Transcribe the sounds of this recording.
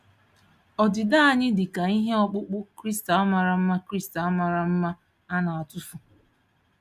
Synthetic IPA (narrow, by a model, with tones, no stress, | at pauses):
ɔ˨dɪ˨da˦a˦˨ɲɪ˦dɪ˨ka˨i˦ɦe˦ɔ˦k͡pʊ˦k͡pʊ˦kɾi˦sta˦ma˨ɾa˨m̩˦ma˦kɾi˦sta˦ma˨ɾa˨m̩˦ma˦ | a˦na˨a˨tʊ˦fu˨